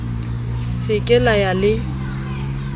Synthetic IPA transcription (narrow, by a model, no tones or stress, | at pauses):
sɪkʼɛlajalɪ